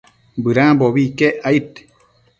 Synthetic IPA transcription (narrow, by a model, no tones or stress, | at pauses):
bɨɾãːboβikeʔait̪